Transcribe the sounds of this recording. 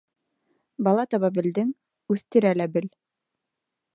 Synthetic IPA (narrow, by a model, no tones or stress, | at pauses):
bɑlˠɑt̪ɑβɑbɘ̆ld̪ɘŋ | ʉθt̪ɘ̆ɾælæbɘl